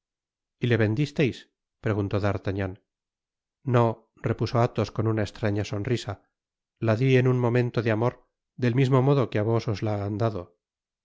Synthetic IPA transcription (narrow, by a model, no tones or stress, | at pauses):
ile̞βe̞nd̪ist̪e̞js | pɾe̞ɣunt̪o̞ðaɾt̪aɲan | o̞ | re̞puso̞at̪o̞sko̞nunae̞st̪ɾaɲaso̞nrisa | laðie̞nunmo̞mẽ̞nt̪oðeamo̞ɾ | ðe̞lmizmo̞mo̞ðo̞keaβ̞o̞sozlaːnd̪aðo̞